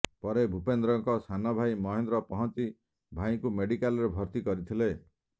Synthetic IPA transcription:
pɔɾebʱupend̪ɾɔŋkɔsanɔbʱajmɔɦend̪ɾɔpɔɦɔnt͡ʃi | bʱaĩkumeɽikalɾebʱɔɾt̪ikɔɾit̪ʰile

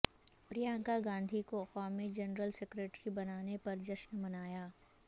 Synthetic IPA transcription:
pɾijãːŋkaɡãːnd̪ʱikoxɔːmẽd͡ʒɐnɾəlsekɾeːʈɾibɐnaːnepɐɾd͡ʒɐʃnmɐnaːjaː

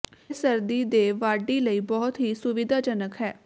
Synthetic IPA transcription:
səɾd̪iːd̪eːʋaːɖiːləiːbɔːt̪ɦiːsʊʋɪd̪aːd͡ʒənəkɦɛː

